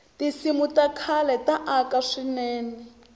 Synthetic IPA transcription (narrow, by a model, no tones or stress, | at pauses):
tisimutakʰalɛtaʔakaʂinɛːnɛ